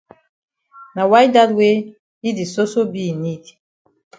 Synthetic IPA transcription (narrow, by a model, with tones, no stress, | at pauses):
na˨wa˦jda˦dwe˦ | i˦di˨so˦so˦bi˦˨ni˦d